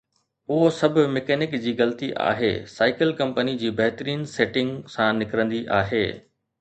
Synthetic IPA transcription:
ʊɦosɐbʱʊ̆mekɛːnɪkd͡ʑiːɣɐlət̪iʔa̰ːɦḛːsaːɪkɪlkɐ̃mpənid͡ʑiːbɐɦɪt̪əɾiːnseːʈɪ̃ŋɡsãnɪkɾə̃nd̪iʔa̰ːɦḛː

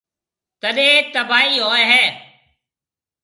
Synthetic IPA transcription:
t̪əɗẽːt̪əbaːɦiːɦoːeɦɛː

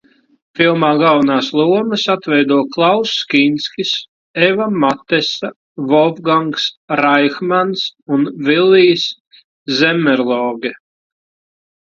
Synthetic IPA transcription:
filˠmaːɡalˠvnaːslˠuɔmɨsat̪vɛjd̪uɔklˠawsːkʲinʲsʲkʲis | evamat̪ɛsa | vɔvɡaŋksɾajxmansunvilʲːiːs | zɛmːɛɾlˠɔːɡʲɛ

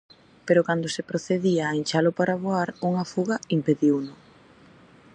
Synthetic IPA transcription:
peɾʊkand̪ʊsepɾoθeðiaːint͡ʃalʊpaɾaβoaɾuŋafuɣɐimpeðiwnʊ

